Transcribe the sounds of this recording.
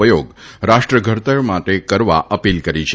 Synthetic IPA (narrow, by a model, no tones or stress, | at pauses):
əjoɡɾaʃʈɾəɡʱəɾt̪əɾmaʈekəɾʋaʔəpilkəɾit͡ʃʰ